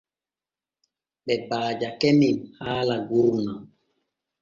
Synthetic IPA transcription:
ɓɛbaːɟakɛmimhaːlaɡuna

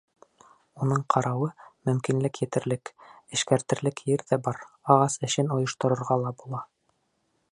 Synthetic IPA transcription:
unɤɴqʰɑɾɑwɤmɵ̆mkinlɘkjɘ̆t̪ɘ̆ɾlɘkɘ̆ʃkæɾt̪ɘ̆ɾlɘkjɘɾðæbɑɾ | ɑʁɑsɘ̆ʃɘnŏjŏʃt̪ŏɾŏɾʁɑlˠɑbulˠɑ

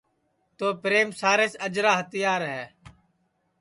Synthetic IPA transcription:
t̪oːpɾeːmsaːɾeːsəd͡ʒɾaːɦət̪ɪjaːɾɦɛː

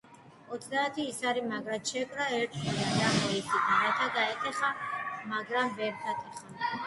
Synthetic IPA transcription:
ɔt̪sʰd̪aːt̪ʰiːsaɾimaɡɾat͡ʃʰɛkʼɾaɛɾt̪ʰɛlit̪ɡamɔit̪ʰʼid̪ʰaɾat̪ʰaɡaɛt̪ʰʼɛχamaɡɾamvɛɾt̪ʰat̪ʼɛχan

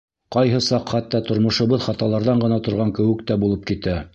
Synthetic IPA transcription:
qɑjɦɤ̆sɑqχæt̪ːɑt̪ŏɾmŏʃŏβɤðχɑt̪ɑlˠɑɾðɑɴɢɤ̆nɑt̪ŏɾʁɑŋkɘ̆wɘ̆kt̪æbulˠɤp̚kit̪æ

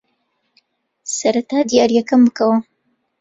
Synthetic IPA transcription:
saɾat̪ɑd̪ijɑɾjakaməkawa

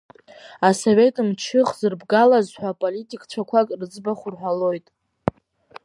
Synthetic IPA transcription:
aso̞ve̞tʼɨmt͡ʃʰɨχzɨrbɡalazħʷᶣapʼolitʼikʼt͡ʃʷʰakʷʰakʼrɨd͡zbaχʷʊrħʷalo̞jtʼ

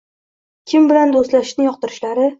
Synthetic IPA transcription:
kʲʰɪmbɪland̪ost̪laʃɪ̥ʃnɪjɒq̚t̪ɪɾɪʃlaɾɪ

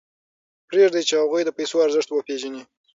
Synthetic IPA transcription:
pɾeʐd̪ejt͡ʃehaɣujd̪əpajsoaɾzɪʂt̪wəpeʒani

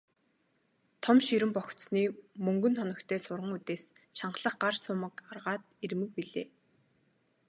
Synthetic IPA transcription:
t̪ʰɔmʃiɾɘ̆mpɔxt̪sniːmɵŋɡɵ̆nt̪ʰɔnɞ̆kt̪ʰeːsʊrʁə̆ŋut̪eːsʃaɴɢɮə̆χɢarsʊmə̆karʁaːt̪̚eɾmɘ̆k̚piɮḛː

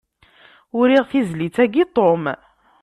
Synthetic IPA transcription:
ʊɾiʁθizlit͡sæɡit̪ˤom

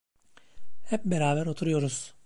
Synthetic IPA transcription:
hɛpbeɾaːbæɾo̞t̪ʰuɾujo̞ɾuz̥

